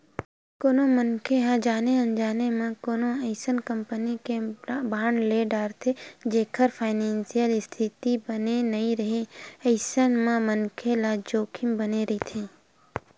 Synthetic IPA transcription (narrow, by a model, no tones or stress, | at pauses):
koːnõmənkʰeɦãd͡ʒaːneɐ̃nd͡ʒaːnemẽkoːnõəɪsənkə̃mpənikebaːɳleɖaːɾt̪ʰed͡ʒeːkʰəɾpʰaːɪnẽːnsijəlɪst̪ʰɪt̪ibənenɐɦĩɾɐɦeɐɪsənmẽmənkʰelad͡ʒoːkʰɪmbəneɾit̪ʰẽː